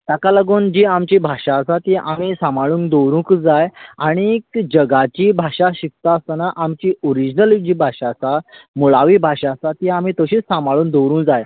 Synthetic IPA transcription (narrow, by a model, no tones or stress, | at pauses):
t̪akaləɡoːnd͡ʑiamt͡ɕibʱaɕasat̪iʔam̤isãmʱaɭuːnd̪owɾũkd͡zajaɽ̃ikd͡ʑəɡat͡ɕiːbʱaɕaɕik̚t̪aəst̪naʔamt͡ɕiːoɾid͡ʑnəlid͡ʑiːbʱaɕasamuɭaʋiːbʱaɕasat̪iam̤iːt̪əɕiːt͡ssːamaɭuːnd̪owɾũːnd͡zaj